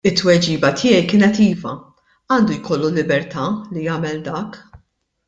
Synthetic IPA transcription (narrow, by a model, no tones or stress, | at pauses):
ɪt̪ːwɛd͡ʒiːbɐt̪ʰɪːjɛjkɪːnɛt̪iːvɐ̰ | ɐːnd̪ujkɔlːulɪbɛɾt̪ʰɐlijɐːmɛld̪ɐːk